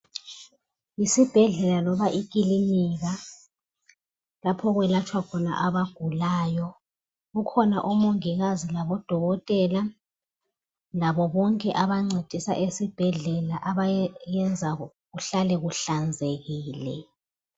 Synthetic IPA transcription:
isib̥ʱɛɮɛlalɔβaʔikʼiliniɣa | lapʰɔɣwɛlat͡ʃʰʼwakʰɔna̰ʔaβaɡ̥ʱulaːjɔ | ɣukʰɔna̰ʔumoŋiɣazilaβɔd̥ʱɔɣɔtʼɛla | laβɔβɔŋkʼɛʔaβaŋ͡ǀed̥ʱisa̰ʔesib̥ʱɛɮɛlaʔaβajɛnd͡zʱa | ɣuɬalɛɣuɬand͡zʱeɣiːlɛ̰

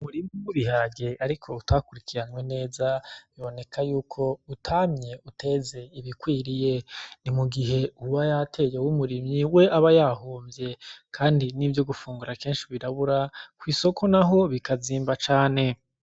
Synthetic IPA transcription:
umuɾimɲiwuβihaɡe̞ʔaɾikʰo̞utʰakuɾikʰiɾanwe̞ne̞ːzaβiβo̞ne̞kʰajuːkʰo̞utʰamɲe̞utʰe̞ze̞iβikwiːɾije̞nimuɡiɦe̞uβajatʰe̞jewumuɾimɲiwe̞ʔaβajaɦoːmvje̞kʰaːndinivjo̞ɡufuːŋɡuɾakeːnʃiβiɾaβuɾakwiːso̞kʰo̞naɦo̞βikaziːmbat͡ʃaːne̞

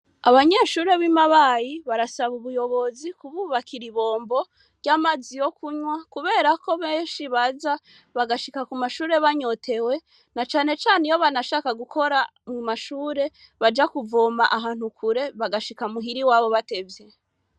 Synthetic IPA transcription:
a̰βaɲe̞ʃuːɾe̞βimaβajiβaɾasaβuβujo̞βo̞zikuβuβakiɾiβo̞ːmbo̞ | ɟaːmazijo̞kuɲwakuβe̞ːɾako̞βeːnʃiβaza | βaɡaʃikakumaʃuːɾe̞βaɲo̞tʰe̞we̞ | nat͡ʃaːne̞t͡ʃaːnejo̞βanaʃaːkaɡukʰo̞ɾamumaʃuːɾe̞ | βad͡ʒakuvo̞ːmaʔaɦaːn̥hukʰuɾe̞βaɡaʃikamuɦiɾiwaːβo̞βate̞vje

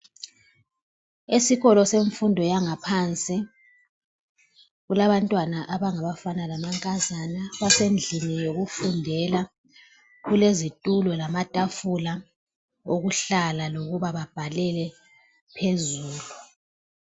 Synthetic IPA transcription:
esiɣɔlɔseɱfundʱɔjaŋapʰant͡sʼi | ɣulaβantʼwanaʔaβaŋaβafanalamaŋkʼazanaβasend͡ɮʱinijoɣufundʱɛla | ɣulezitʼulɔlamatʼafula | oɣuɬalaloɣuβaβab̥ʱalɛlɛ | pʰezuːlu

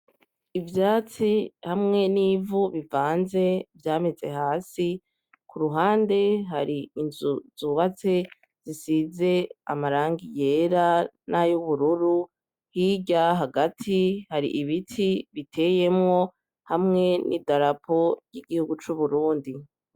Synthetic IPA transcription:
ivjaːt͡sihamŋe̞niːvuβivaːnze̞vjaːme̞ze̞haːsi | kʰuɾuɦaːnde̞ɦaɾiinzuzuβat͡se̞ | z̥isize̞a̰maɾaːŋɡije̞ːɾanajuβuɾuɾu | hiɟaɦaɡatʰihaɾḭʔiβitʰiβitʰe̞je̞mŋo̞ | hamŋe̞nḭdaɾapʰo̞ɾjiɡihuɡut͡ʃuβuɾuːndi

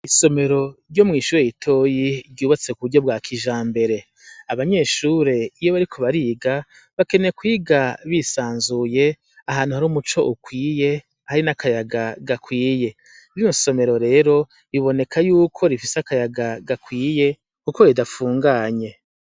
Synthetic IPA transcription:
iso̞me̞ɾo̞ɾɟo̞mŋiːʃuːɾejitʰo̞jiɾɟuːβat͡se̞kuβuɾɟo̞b̚waːkʰiʒaːmbe̞ɾe̞ | aβaɲe̞ːʃuːɾe̞ijo̞βaɾikʰo̞βaɾiːɡa | βake̞ne̞kwiːɡaβisaːnzuje̞ | aɦaːn̥uhaɾuːmut͡ʃo̞ʔukwiːje̞ | haɾinakʰajaɡaɡakwiːje̞ | iɾinoso̞me̞ɾo̞ɾe̞ːɾo̞ | iβo̞ne̞kʰajuːkʰo̞ɾifiseakajaɡaɡakwiːje̞ | kukojidafuːŋɡaːɲe̞

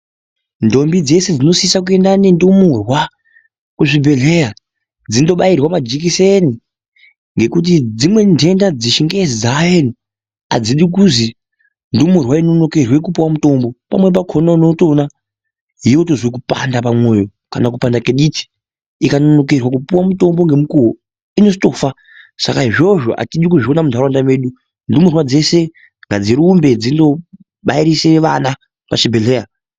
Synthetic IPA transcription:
ndo̞mbid͡ze̞sed͡zino̞siisak̬ue̞ndane̞ndumurwa | kuʐibʱe̞ɮe̞ja | d͡zindoɓairwamad͡ʒik̬iseni | ŋɡe̞kut̬id͡zimwe̞ndʱe̞ndad͡ziʃiŋɡezizajeni | a̰d͡ziɗikuzi | ndumurwaino̞no̞ke̞rwe̞k̬upowamuto̞mbo̞pamwe̞p̬akʰononoto̞na | ɦijo̞tozik̬upa̰ndapamwoːjo̞ | kanak̬upandakeɗiti̥ | ikanono̞k̬erwakupuwamuto̞mbo̞ŋɡe̞mukuwo | ino̞zito̞ːfa | sa̰kaɦiʐo̞ʐo̞̰ʔa̰tiɗikuʐionamudʱaɾwandamweɗu | ndumurwad͡ze̞se̞ | ŋɡad͡ziɾiːmbe̞d͡zindo̞ | ɓaiɾise̞ʋa̰na | paʃibʱeɮeːja

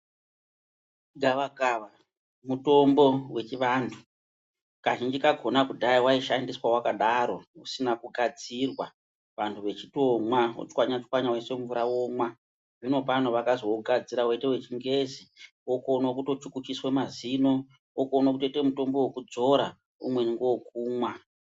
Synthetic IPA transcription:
ɡaʋaɡaʋa | muto̞mbo̞we̞t͡ʃiʋaːntʰu | kaʒind͡ʒikaɡʱo̞nakudʱaiwaiʃandiswawakaɗaɾo̞usinakuɡʱad͡zirwa | ʋantʰuʋe̞t͡ʃitomwao̰t͡ʃkwaɲat͡ʃkwaɲawese̞ɱvuɾawomwa | ʐino̞panoʋakazoɡʱad͡ziɾawetewe̞t͡ʃiŋɡe̞zi | okonokuto̞t͡ʃukut͡ʃiswe̞mazino̞ | wokonok̬utetemuto̞mbo̞wokud͡zo̞ɾa | ṵmwe̞niŋɡowokuːmwa

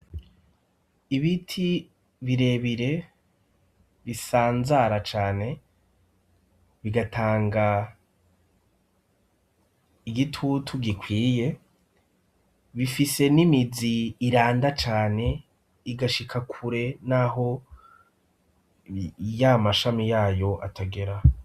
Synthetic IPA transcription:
iβitʰi | βiɾe̞βiɾe̞ | βisaːnzaɾat͡ʃaːne̞ | βiɡatʰaːŋɡa | iɡitʰutʰuɡikwiːje̞ | βifise̞nimiziːɾaːndat͡ʃaːne̞ | iɡaʃikʰakʰuɾe̞naɦo̞ | jamaʃamijaːjo̞ʔa̰tʰaɡe̞ɾa

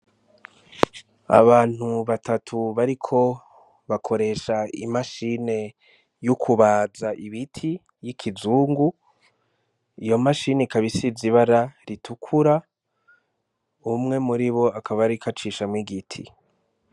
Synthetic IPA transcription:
a̰βaːn̥huβatʰatʰuβaɾikʰo̞ | βakʰo̞ɾe̞ʃaḭmaʃine̞ | jukʰuβaːzaʔiβitʰi | jikʰizuːŋɡu | ijo̞maʃineikaβisiziβaɾaɾitʰukʰuɾa | umŋe̞muɾiβo̞akʰaβaɾikat͡ʃiʃamŋiɡitʰḭ

